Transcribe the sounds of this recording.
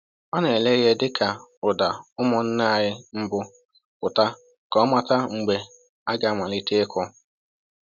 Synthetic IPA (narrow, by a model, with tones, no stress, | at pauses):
ɔ˦ne˨le˦ɣe˦dɪ˦ka˨ʊ˨da˨ʊ˦mɔ˨n̩˦na˦˨ɦɪ˦m̩˦bʊ˦ | kʊ˨ta˦ | kɔ˦ma˨ta˦ŋ̩˨ɡ͡be˨ | a˦ɡa˨a˦˨mʷa˨lɪ˦te˦ɪ˦kʰɔ˦